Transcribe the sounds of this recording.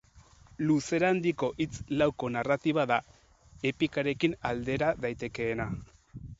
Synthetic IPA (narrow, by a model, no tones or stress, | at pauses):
luse̞ɾand̪iko̞ʔit͡slawko̞narat̪iβaða | e̞pikaɾe̞kinald̪e̞ɾaðajt̪e̞ke̞ːna